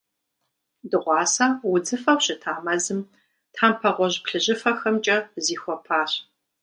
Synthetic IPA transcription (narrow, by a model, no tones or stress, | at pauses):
dɨʁʷɑːsaːwʊd͡zɨfɐwʷɕɪtʰaːmɐzɨm | tʰħaːmpʰɐʁʷɔʑpɬɨʑɪfɐxɐmt͡ʃʼɐziːxʷɔpʰaːɕ